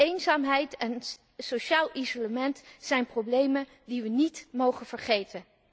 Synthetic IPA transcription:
ejnzaːmɦɛjtɛn | soʃaːlˠʔizoləmɛntsɛjnprowblejmən | diʋənitmowχənv̥əɹχejtən

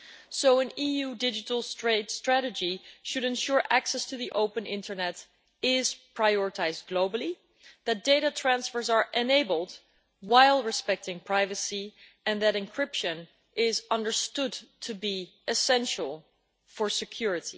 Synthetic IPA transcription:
soʊɨ̃nijudɪd͡ʒɨɾl̩ˠstɹ̥eɪdstɹ̥æɾɨd͡ʒiʃɨɾɨ̃nʃʊɹʔæksɛstʰɨðiʔoʊpə̃nɪ̰̃ntʰə˞nɛɾ | ɪz̥pʰɹ̥aɪɔɹɨtʰaɪzd̚ɡloʊbl̩ˠi | ðɨt̚d̥eɪɾətʰɹ̥æ̃nsfə˞zə˞ʔɨneɪbəl̩ˠd | waɪlˠɹɨspɛk̚tɪ̃ŋpʰɹ̥aɪvɨsi | ɨ̃nðɨɾɨ̃nkʰɹ̥ɪpʃɨ̃n | ʔɪzʌ̃ndə˞stʊdtʰɨbi | ʔɨsɛ̃nʃl̩ˠ | fə˞sɨkʰj̥ʊɹɨɾḭ

